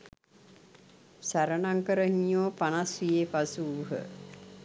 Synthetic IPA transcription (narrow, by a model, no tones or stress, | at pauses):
sæɾənaŋkəɾəhiɲoːpanasʋijepasuːɦə̰